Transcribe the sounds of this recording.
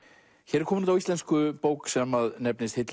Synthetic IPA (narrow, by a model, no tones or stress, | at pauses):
çɛɾɪɾkʰɔːmʏnʏnt̪awist̪ɛnskʏpoːwksɛmaðnɛpnɪst̪het̪l